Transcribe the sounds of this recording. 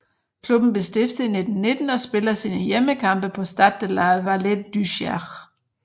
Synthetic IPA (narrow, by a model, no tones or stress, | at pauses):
kʰlub̥n̩b̥e̝sd̥efd̥əine̝d̥n̩ne̝d̥n̩ɒ̽sb̥e̝lɐsiːnəjeməkʰɑ̈mb̥əpʰɒ̽sd̥ɑd̥elæðˠʋæledd̥yɕæʁ